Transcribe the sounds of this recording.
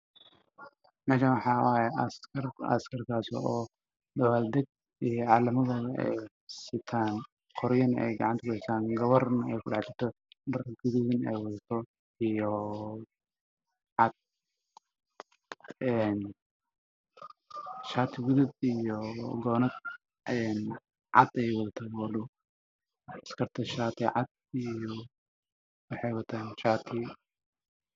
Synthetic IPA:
mɛːʃaːnwɑħɑːwaːjɛɐskɐrɐ̰skʰɐrkʰaːsɔː | d̪ɐwaːld̪ɛɡ̚ | ijɔʕɑːlɐmɐðɔːðɐʔɛ̰j | sɪt̪ʰaːn | qʰɔɾjɐnɛ̰jɡɑ̰ʕɑnt̪ʰɐkʊɪst̪ʰaːnɡɐβɔrnɐɛjkʰʊɖɑʕt͡ʃɪt̪ʰɔ | dɐrɡʊðʊɣɪnɛ̰jwɑðɐt̪ʰɔ | ijɔ | ʕɑd̪̚ | ɛn | ʃaːt̪ʰɪɡʊðʊd̪ijɔɡɔːnɐd̪ | ʔɛn | ʕɑ̰d̪ɛjwɐðɐt̪ʰɔɡɔlʊ | ɐskʰɐrt̪ʰɐʃaːt̪ʰɪʕɑd̪̚ | ijɔ | wɑħɑjwɐt̪ʰaːnʃaːt̪ʰɪ

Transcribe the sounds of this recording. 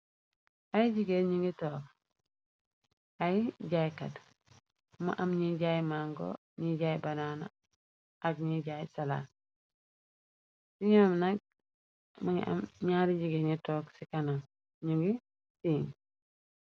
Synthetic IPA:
ajiɟiɡeɲuŋɡitoːk̚ | aiɟajkad | ma̰ʔamɲiɟaːjmaŋɡo̰ | ɲiɟaːjbanana̰ | aɡɲiɟajsala̰ːt | siɲoːmnaɡ̚ | maŋḭʔa̰mɲaːɾiɟiɡeɲitoːɡsikanaŋ | ɲuŋɡi | siːŋ

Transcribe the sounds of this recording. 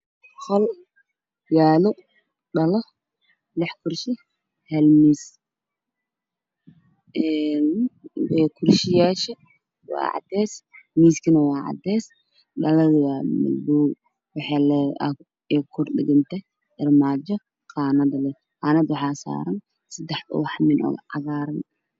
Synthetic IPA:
χɔl | jaːlʊ | ɗɐlɔ | lɪħkʰʊrʃɪ | hɛlmiːs | ɛnwɛkʰʊrʃɪjaːʃɛ | wɑ̰ːʕɑ̰d̪ɛːsmiːskʰɪnɐwɑːʕɑ̰d̪ɛːs | ɗɐlɐðwamɐ̰bu | wɑħɑːlɛʔɐ | ɛkʰʊrɗɪɣɪnt̪ʰɛ | ʔɪrmaːd͡ʒɔ | qɑːnɐd̪lɛ | qɑːnɐd̪wɑħɑːsa̰ːɾɐn | sɐd̪ɛħɔ̰wħmɪnʔɔ̰ʕɑ̰ɣaːɾɐn

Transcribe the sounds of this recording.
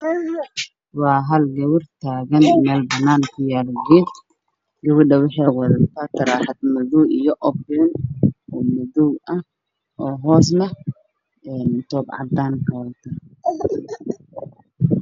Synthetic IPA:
wɑːɦɐlɡɐwɪrt̪ʰaːɣɐnmɛːlbɐnaːnkʰʊjaːlɡiːd̪ | ɡɐwʊɗɐwɪħɛːwɐðɐt̪ʰat̪ʰɐɾaːħad̪mʊðuijɔʔɔbɛnɔmʊðuwɐh | ɔːɦɔːs̬nɐ | ɛːnt̪ɔːbʕɑ̰d̪aːŋkʰɐwlt̪ʰa

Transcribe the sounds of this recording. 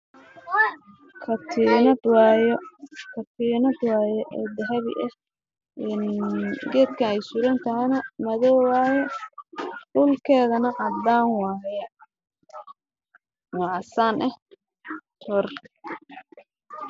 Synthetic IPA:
kʰɐt̪ʰinɐd̪wjkʰɐt̪ʰiːnɐd̪wɑːjɛʔɛːd̪ɐɦɐβɪ̰ʔɛh | ʔɛnɡɛːd̪kʰɐɛjsʊɾɐnt̪ʰɐhɛnɐmɐðɔːwaːjɛ | ɖʊlkʰɛːðɐnɐʕɑd̪aːnwɑːjɐ | wɑʕɑsaːnʔɛh | t̪ʰɔr

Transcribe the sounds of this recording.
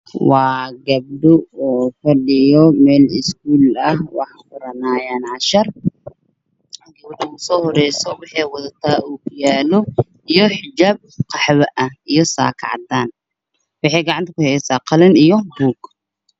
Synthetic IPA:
wɑːɡɐb̚dʊɔːfɐɗɪjɔmɛːlɪsk̚uːlɐɦwɑ̰ħɑkʊɾɐnaːjaːnʕɑʃɐr | ɡɐbd̪ʊʊsɔːhɔɾɛjsɔwɑħɛjwɐðɐt̪ʰaːʔuːkʰʊjaːlɔ | ijɔħɪd͡ʒaːb̚qɑħβɐʔɐhijɔsa̰ːkʰɑ̰ʕd̪aːn | wɑħɛːjɡɑʕɑnt̪ʰɐkʊhɛjɛsaːqɑlɐnijɔbuːɡ̥

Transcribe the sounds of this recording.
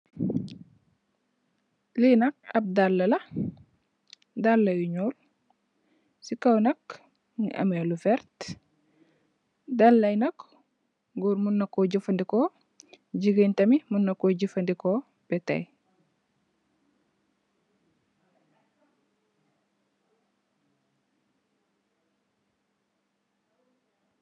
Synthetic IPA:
linɐk̚ɐb̚dalːɐlɐ | dalːɐjuɲol | sikɐwnɐk | nḭʔɐ̰melufɛɾt | dalːɐjnɐk | ɡuɾmunːɐkːoɟufɐndiko | d͡ʒiɡentɐmimunːɐkːoɟifɐndiko | b̥ɛtɐ̰j

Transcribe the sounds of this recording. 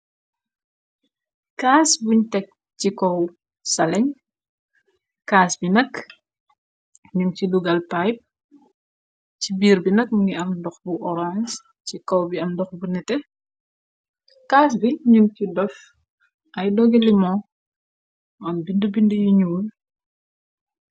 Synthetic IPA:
kaːsbuɲtɛk̚ | cikɔw | sɐlɛɲ | kaːsbinɐk | ɲumciluɡɐlpajp̚ | cibiːɾbinɐk̚ɡiɐmdɔxbuʔɔɾans | cikɔwbiɐmdɔxbunɛtɛ | kas̬biɲumcidɔf | ʔɐjdɔɡɛlimɔ | ɐmbindəbindəjuɲuːl

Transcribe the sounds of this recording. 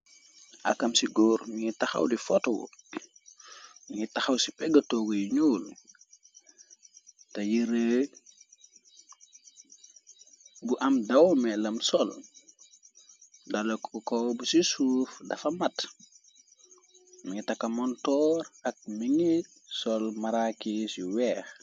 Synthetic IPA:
ʔɐ̰kːɐmsiɡɔːɾmiŋitɐxɐ̰wdifɔtɔwṵ | miŋitɐxɐwsipɛɡɐtɔːɡujiɲuːl | tɐjiɾe | buʔɐmdɐwmɛlɐmsɔl | dɐlokɔwbusisuːfdɐfɐmɐt | miŋɡitɐkːɐmɔntɔːɾɐk̚miŋi | sɔlmaɾakisiwɛːx

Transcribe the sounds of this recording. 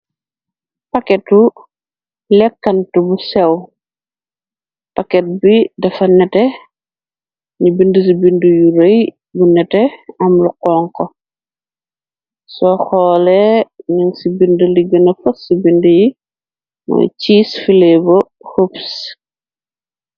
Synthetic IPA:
pɐkɛtu | lɛkːɐntubusɛw | pakɛt̚bidɐfɐnɛtɛ | ɲibindəs̬ibindujuɾɐj | bunɛtɛɐmluqɔːŋkɔ | sɔxɔːlɛniŋsibinduliɡɐnɐfɐssibinduji | mɔ̰ciːsfilɛbo | hups

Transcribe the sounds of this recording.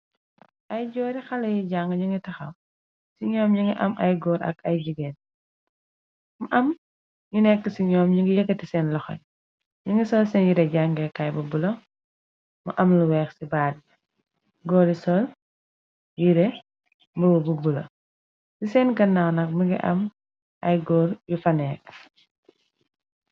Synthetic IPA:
ʔɐjd͡ʒɔːɾixɐlɐjiɟaŋɡɐɲiŋɡitɐxɐw | siɲɔːmɲiŋɡiʔɐmʔɐ̰jɡɔːɾɐ̰kɐjd͡ʒiɡɛn | muʔɐm | ɲunɛkːəsiɲɔːmɲiŋɡijɛɡɐtisɛnlɔxɐ̰ɲ | ɲiŋɡisɔːlsɛnjiɾɛɟaŋɡɛkɐjbubulɐ | mɐ̰ʔɐmluwɛːxsibaːd̚ | ɡɔːɾisɔl | jiɾɛ | mbuwububulɐ̰ | sisɛnɡɐnːawnɐk̚miŋɡḭʔɐ̰m | ʔɐ̰jɡɔːɾjufɐnɛːk

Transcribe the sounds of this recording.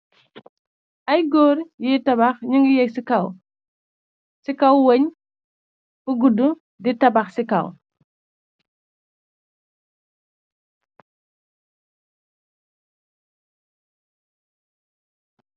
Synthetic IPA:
ʔɐjɡɔːɾjitɐbaxɲuŋɡijɛksikaw | sikawwəɲ | buɡudu | ditɐbaxsika̰w

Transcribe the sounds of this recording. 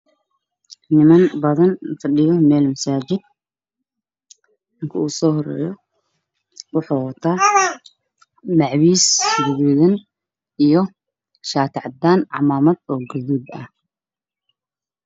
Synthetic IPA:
nɪmɐnbɐðɐnfɐɗɪjɔmɛːlmɐsaːt͡ʃɪd̪̚ | ɪŋkʰɐuːsɔːhɔrɛ̰ːjɔ | wʊħuːwɐt̪ʰaː | lɑʕwiːsɡʊɣuːðɐn | ijɔ | ʃaːt̪ʰʕɑd̪aːnʕɑ̰maːmɐd̪ɔːɡʊðuːd̪ɐ̰h

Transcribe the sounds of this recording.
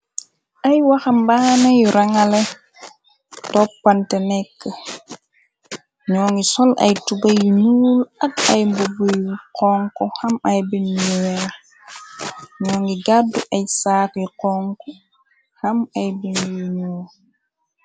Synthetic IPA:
ʔajwaxambaːnajɾaŋalɛ | tɔpːantɛnɛkːə | ɲɔːŋɡisɔlʔa̰jtubajinuːlatajmbubujqɔŋkɔhamajbinjiwɛɾ | ɲɔːŋɡiɡadːuʔajsaːtiqɔŋkɔ | hamajbinjiɲuːl

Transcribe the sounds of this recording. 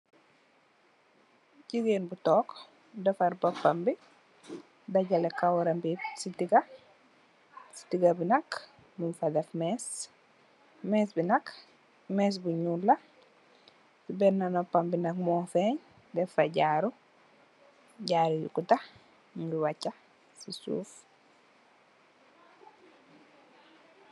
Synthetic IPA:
ɟiɡenbutɔːk | dɛfaɾbɐpːambi | dɐɟɐlekawɾɐmbisitiɡɐ | si̥tiɡɐbinɐk | munfadɛfmɛs | mɛsbinɐk | mɛːs̬buɲula | sibɛnːanɔpːambinakmɔːfɛɲ | dɛfaɟaːɾu | ɟaːɾujṵkuta | ɡiwacːa | sisṵːf

